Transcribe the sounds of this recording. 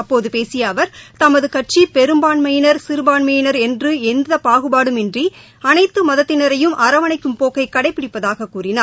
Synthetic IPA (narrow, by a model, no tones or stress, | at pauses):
ɐpːoːðɯpeːsɪjaːʋɐɾt̪ɐmɐðɯkɐʈ̚t͡ʃipɛɾɯmbaːnmɐjɪnɐɾsɪɾɯbaːnmɐjɪnɐɾɛndrɯɛnd̪ɐpaːɣɯbaːɽɯmɛndri | ɐnɐɪt̪ːɯmɐðɐt̪ːɪnɐɾɐjɯmʔɐɾɐʋɐnɐɪkːɯmpoːkɐɪkɐɽɐɪpːɪɽɪpːɐðaːɣɐkːuːrɪnaːɾ